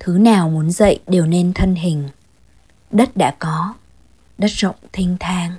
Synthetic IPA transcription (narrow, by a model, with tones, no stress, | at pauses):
t̪ʰɨ˨˦naː˨˩wmu˨˦ənzə̰˧˨jɗe˨˩wne˧nt̪ʰə˧nɦï˨˩ŋ̟ | ɗə˦˥t̚ɗa̰ː˧˥kɔ˨˦ | ɗə˦˥t̚z̥ə̰˧˨wŋ͡mt̪ʰï˧ŋ̟t̪ʰaː˧ŋ